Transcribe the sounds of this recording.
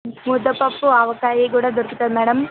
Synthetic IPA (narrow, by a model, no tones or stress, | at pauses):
mud̪ɐpːɐpːuɐʋɐkːaːjekuːɽed̪urk̪it̪ːɐnːɐɽɐm